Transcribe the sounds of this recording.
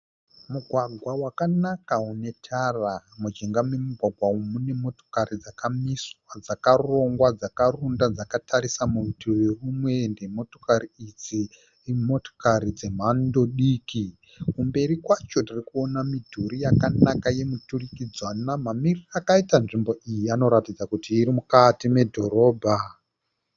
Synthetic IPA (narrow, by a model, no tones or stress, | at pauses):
muɡʱwaɡʱwawakanakaune̞tʰaramud͡ʒeŋɡamwe̞muɡʱwaɡʱwaumune̞mo̞to̥karid͡zakamiswad͡zakaro̞ŋɡwad͡zakarundad͡zakatʰaɾisamurutiwerumwe̞ndemo̞to̥kariid͡zi | mo̞to̥kaɾid͡ze̞m̤ando̞ɗiːki | kumbe̞ɾikwat͡ʃo̞tirikuo̞namidʱuɾijakanakaje̞muturikid͡zwanamamirirakaitanʐimbo̞ʔijiano̞ɾatid͡zakutiːɾimukatime̞dʱo̞ɾo̞ːbʱa